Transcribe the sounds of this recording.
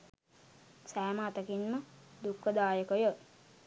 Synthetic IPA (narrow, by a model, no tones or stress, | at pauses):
sæːmaːt̪əkinməd̪ukːəd̪aːjəkəjə